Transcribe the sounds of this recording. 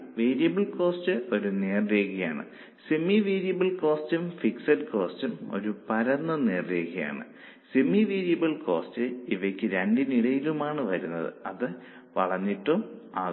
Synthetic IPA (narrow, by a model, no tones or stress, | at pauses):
ʋeːɾijɐbɐlko̞ːstɨo̞ɾune̞ːrreːɣɐja̰ːɳɨ̰ | simiʋeːɾijɐbɐlko̞ːstumfiksɐɾko̞ːstumo̞̰ɾupɐɾɐnːɐne̞ːrre̞ːɣɐja̰ːɳɨ̰ | simiʋiːɾijɐbɐɭko̞̰ːstɨiʋɐkʲːɨɾeɳɖiniɽɐjilumaːɳɨʋɐɾunːɐðɨ̰ɐðɨ | ʋɐ̰ɭɐɲːiʈːumaː